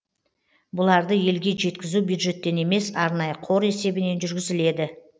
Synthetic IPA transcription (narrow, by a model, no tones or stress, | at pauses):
bʊlˠɑɾd̪əje̞lɡʲe̞ʒe̞t̪kʲɪzubjud̪ʒe̞t̪ːe̞ne̞me̞sɑɾnɑjəqʰo̞ɾe̞se̞bɪne̞nʒʏɾɡʲɪzɪle̞d̪ɪ